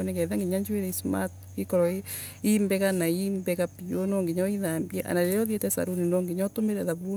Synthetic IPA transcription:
ɔnɛɡɛðaŋɡeɲaɲd͡ʒweɾɛisma̰t | ikɔɾɔe | imbɛɣanaimbɛɣapionɔŋɡeɲɔiðambiɛʔa̰naɾɛjɔðietɛsa̰ɾuninɔːŋɡeɲɔtomeɾɛðaβu

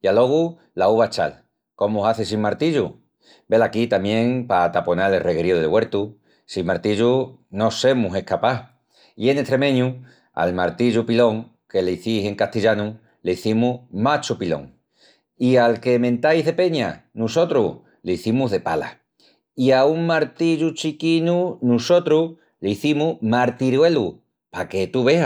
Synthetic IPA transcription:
ialo̞ɣ̞u | lauβat͡ʃa̰l | ko̞mouɦaθes̬immaɾt̪iʎṵ | be̞lakit̪amjẽ̞ŋpat̪apo̞nalerʔeɣɾioðelɣwe̞ɾt̪u | simaɾt̪iʎuno̞se̞muse̞hkapa | ie̞net̪ɾe̞mẽ̞ɲu | a̰lmaɾt̪iʎupilo̞ŋ | ke̞leiθise̞ŋkaht̪iʎanu | leiθimumat͡ʃupilo̞̰ŋ | ialke̞mẽnt̪ajzðe̞pe̞ɲa̰nuso̞t̪ɾṵ | leiθimuɦðe̞pala̰ | iauŋmaɾt̪iʎut͡ʃikinunuso̞t̪ɾu | leiθimumaɾt̪iɾwe̞lu | pake̞t̪uβea

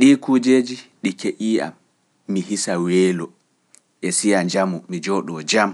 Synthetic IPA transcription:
ɗiːkuːd͡ʒeːd͡ʒiɗikeʔiːa̰mː | iɦisawɛːlɔ | ʔɛsijaɲd͡ʒamɔmid͡ʒɔːɗɔd͡ʒam

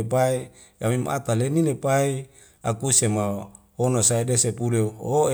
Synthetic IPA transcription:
pai | amimʔa̰t̪aleninepai | akusema | honosaedesepuleoe

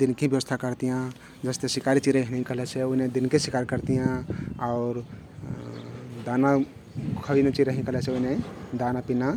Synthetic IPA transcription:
d̪inkĩbjəʋəst̪ʰakəɾt̪ijã | d͡ʒəst̪esikaɾit͡ʃiɾəɦinɦĩkəɦlɛsʰeoined̪inkesikaɾkəɾt̪ijãaʊɾ | d̪ana | kʰəʋinet͡ʃiɾəɦikəɦlɛseoined̪anapina

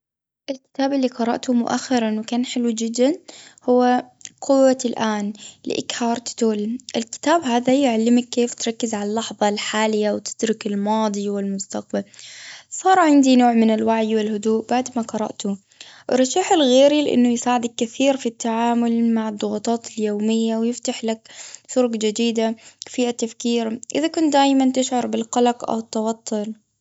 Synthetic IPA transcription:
ʔɪlkɪ̥t̪aːbɪlːiqɑɾˤɑ̰ʔt̪ʊmʊ̰ʔa̰xːɪɾˤɑnwɪkaːnħɪlwd͡ʒɪd̪ːanhʊwːa | qʰʊwːalʔaːnlɪ̰ʔɪ̰khɑːɾˤt̪t̪oːlʔɪlkɪ̥t̪aːbɦaːðajʊʕalːɪmakːeːft̪ɾˤɑkːɪzʕalalːɑħðˤɑlħaːlɪjːawt̪ɪ̥d̪ɾɪkɪlmɑːd̪ˤiwɪlmʊst̪aq̚balsˤɑːɾˤʕɪnd̪inoːʕmɪnɪlwaʕjwɪlhʊd̪uːʔb̥aʕd̪maqɑɾˤɑ̰ʔt̪ʊ | ʔɾˤːɑʃaːħɪlɣeːɾilɪʔɪ̰nːʊjɪsaːʕɪd̪akːɪθiːɾfit̪ːaʕaːmʊlmaʕad̪ˤːʊɣɑt̪ˤɑːt̪ɪljoːmɪjːawjɪft̪aħlaksʊɾʊqd͡ʒad̪iːd̪afiːʔat̪ːafkiːɾʔɪðakʊnt̪̚d̪aːjmant̪ɪʃʕɑɾˤbɪlqɑlaqʔa̰wɪt̪ːɑwɑt̪ˤːʊl

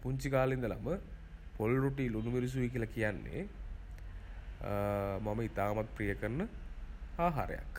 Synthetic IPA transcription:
puɲt͡ʃikaːlind̪ɐlɐ̰mɐpolɾoʈːilunumeɾus̬uik̬ilɐkijanːḛ | mɐmɐit̪aːmɐt̪̚pɾijɐkɐɾnɐ | aːɦa̰ːɾɐ̰ja̰kː

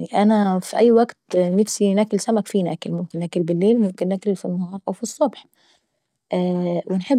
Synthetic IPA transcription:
niʔænæfiʔæjːwæɡt̪næfsinækɪlsæmækfinæːkɪlmʊmkɪnːæːklbɪlːeːlmʊmkɪnːækɪlfinːɑhɑːɾˤʔæwfisˤːobħ | ʔæːwɪnħeb

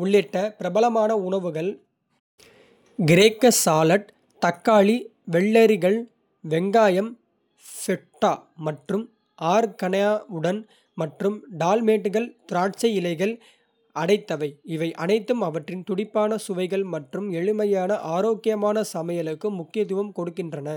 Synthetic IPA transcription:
ʊɭːɪʈːɐpɪɾɐbɐlɐmaːnɐʊɳɐʋɯɣɐɭ | ɡɪɾeːkːɐsaːlɐʈ̚ | t̪ɐkːaːɭi | ʋɛɭːɐɾɪɣɐɭ | ʋɛŋɡaːjɐm | fɛʈːaːmɐʈrɯm | ʔaːɾkɐɳɐjaːɯɽɐn | mɐʈrɯmɖaːlmeːʈːɯɣɐɭt̪ʊɾaːʈt͡ʃɐɪɪlɐɪɣɐɭ | ɐɽɐɪt̪ːɐʋɐɪɪʋɐɪʔɐnɐɪt̪ːɯmɐʋɐʈrɪnt̪ʊɽɪpːaːnɐsʊʋɐɪɣɐɭmɐʈrɯmɛɻɯmɐjaːnɐʔaːɾoːkɪjɐmaːnɐsɐmɐjɐlɯkːɯmʊkːɪjɐt̪̬ʊʋɐmkɔɽɯkːɪndrɐnɐ

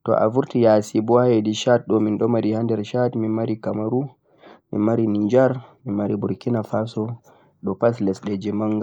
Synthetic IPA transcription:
tɔ̰ʔa̰vuɾtijasibɔajediʃat̚ɗɔminɗɔmaɾihandɛɾʃatminmaɾikamaɾu | mḭnmaɾinid͡ʒaɾminmaɾibuɾkinafasɔ | ɗɔpaslɛsɗɛd͡ʒɛmaŋɡa

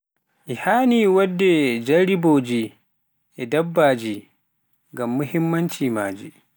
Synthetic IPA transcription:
ʔihaːniwadːɛd͡ʒaɾiboːd͡ʒi | ʔɛdabːaːd͡ʒi | ŋɡamːuhimːant͡ʃima̰ːd͡ʒi

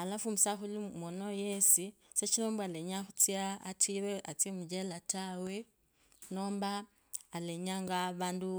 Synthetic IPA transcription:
alafumisaxulimwonojesi | set͡ʃinoːmbwaleɲaxut͡sjaːt͡siweat͡siemud͡ʒelatawe | noːmbaː | leɲaŋɡaβaːndu

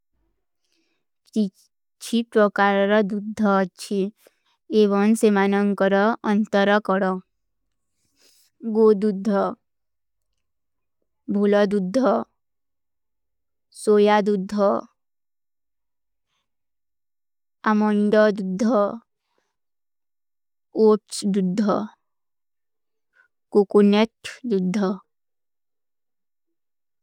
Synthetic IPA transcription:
ki | t͡ʃʰipɾɔkaɾɾɔd̪ud̪ʱːɔːt͡ʃʰi | eβɔmsemanɔŋkɔɾɔʔʌnt̪ɔɾɔkɔɾɔ | ɡod̪ud̪ʱːɔ | bʱulɔd̪ud̪ʱːɔ | sojad̪ud̪ʱːɔ | amɔɳɖɔd̪ud̪ʱːɔ | oʈsd̪ud̪ʱːɔ | kokuneʈd̪ud̪ʱːɔ

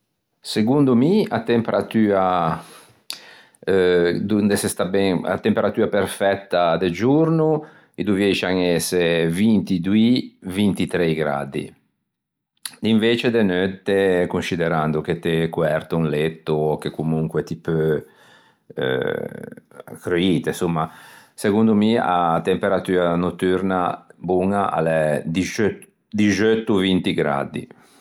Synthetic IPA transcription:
seɡund̪umia̰t̪ːempeɾat̪yːa | d̪und̪esest̪abɛŋa̰t̪ːempeɾat̪yːapeɾfɛt̪ːad̪ed͡ʒuɾnu | id̪uvjɛt͡ʃaŋɛsevint̪id̪uivint̪it̪ɾejɡɾa̰d̪ḭ | d̪iɱveːt͡ʃed̪enøt̪ːekunsid̪eɾand̪uk̟et̪ːekuɛɾt̪uunlet̪ːuokekːumuŋkwet̪ipø | ø̰ | kɾøiːt̪esumːasekund̪umia̰t̪empeɾat̪yːɾanot̪ːyɾnabuŋaʔa̰led̪it͡ʃø | d̪id͡ʒøt̪ːuvint̪iɡɾa̰d̪ḭ

